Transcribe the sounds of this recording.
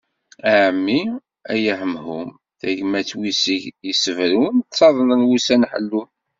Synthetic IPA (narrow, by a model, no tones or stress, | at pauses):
æʕəmːi | æjæħəmhum | θæʝmæt͡sːwisiʝjəsəvɾunt͡sːɑðˤənənwusænħə̰lːun